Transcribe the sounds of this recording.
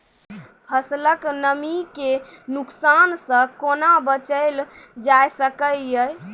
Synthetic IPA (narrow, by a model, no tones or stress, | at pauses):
pʰəsləknəmikenuksansə̃konabət͡ʃəɪl | d͡ʒajsəkəljəj